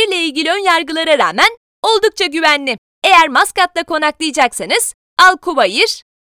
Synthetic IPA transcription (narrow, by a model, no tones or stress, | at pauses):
iɾlʲɛilʲɟilʲiø̞njaɾɡɯlˠaɾaɾaːmæn | o̞lˠd̪uk̚t͡ʃʰaɟyvænlʲɪ | e̞jæɾmaskat̪̚lˠakʰo̞naklˠijd͡ʒaksanɯz̥ | alˠkʰuβajɯɾ̥